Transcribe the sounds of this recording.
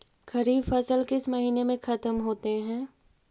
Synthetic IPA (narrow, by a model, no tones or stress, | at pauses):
kɐɾiːbfɐsəlkɪsmɐɦiːnemẽxɐt̪əmɦoːt̪eɦɛ̃ː